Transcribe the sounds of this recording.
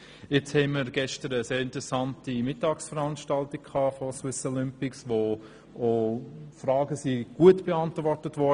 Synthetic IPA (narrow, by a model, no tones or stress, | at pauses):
ɪt͡shɛnməɾɡ̥ɛʃtəɾəseːɾɪntɾɛsɑntimɪtːɑːksfəɾɑnʃtɑltɪkkʰɑːfoswɪsɔlʏmpɪksʋo | ʔofɾɑːɡəsiɡ̥uətb̥eɑntʋɔɾtətvɔ